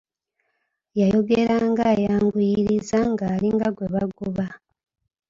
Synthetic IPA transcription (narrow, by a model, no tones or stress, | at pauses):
jajo̞ɡe̞ɾaːŋɡajaːŋɡujiɾizaŋɡaːliŋɡaɡwe̞βaɡuβa